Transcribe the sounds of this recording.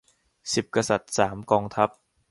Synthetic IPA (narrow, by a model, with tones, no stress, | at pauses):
si˨˩p̚ka˧sa˨˩t̪̚saː˩˦mkɔː˧ŋt̪ʰa˦˥p̚